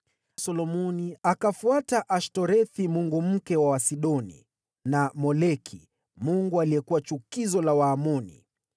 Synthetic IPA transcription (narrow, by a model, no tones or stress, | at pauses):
sɔlɔmɔniakafuataʔaʃtɔɾɛθimuŋɡum̩kɛwawasiɗɔnḭ | namɔlɛkʰi | muŋɡualijɛkuwat͡ʃukizɔlawaːmɔnḭ